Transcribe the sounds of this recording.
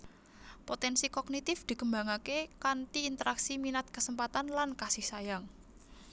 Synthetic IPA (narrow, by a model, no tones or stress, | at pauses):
pot̪ɛnsikɔɡnit̪ɪfd̪̥i̤kəmba̤ŋakekant̪iːnt̪əɾʔaksiminat̪̚kəsəmpat̪anlankasɪhsajaŋ